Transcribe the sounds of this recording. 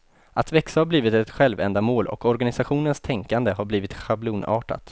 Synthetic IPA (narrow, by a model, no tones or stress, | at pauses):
ʔat̪vɛksahaɾbliːvɪt̪ɛt̪ɧɛlvɛ̰nd̪amoːlʔɔ̰kʰɔɾɡanɪsaɧuːnənst̪ʰɛŋkand̪əɦaɾbliːvɪt̪ɧabluːnɑ̰ːʈa̰t̪